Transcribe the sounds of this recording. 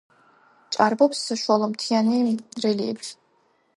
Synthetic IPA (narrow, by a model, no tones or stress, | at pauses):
t͡ʃʼarbɔpsːaʃualˠɔmt̪ʰianirɛliɛbʃ